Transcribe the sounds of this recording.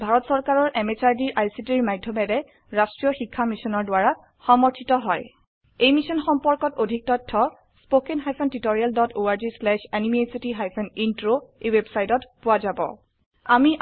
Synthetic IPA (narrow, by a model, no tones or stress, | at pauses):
bʱaɹɔtsɔɹkaɹɔɹʔɛmet͡ʃaɹdiɹajsitiɹmajdʱːɔmɛdɛ | ɹastɹijɔxikʰːamisɔnɔɹdʊaɹa | xɔmɔɹtʰitɔɦɔj | ejmisɔnxɔmpɔɹkɔtodʱik̚tɔtʰːɔ | spokenɦajpʰɔntitoɹijaldɔtoaɹd͡ʒislɛʃanimiesitiɦajpʰɔnintɹoejwebsajtɔtpʊwazabɔ̰ | amiʔ